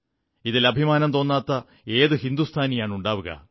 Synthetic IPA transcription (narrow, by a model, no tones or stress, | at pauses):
iðilɐbʱimaːnɐmt̪o̞ːnːaːt̪ːɐ | e̞ːðɨhind̪ust̪ʰaːnijaːɳuɳɖaːʋuɣɐ̰